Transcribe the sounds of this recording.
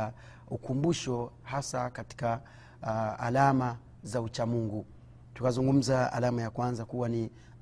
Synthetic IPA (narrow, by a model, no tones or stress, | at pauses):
ukumbuʃɔhasakati̥ka̰ː | lama | zaut͡ʃamuŋɡu | tukazuŋɡum̩zaa̰lamajakwanzakuwani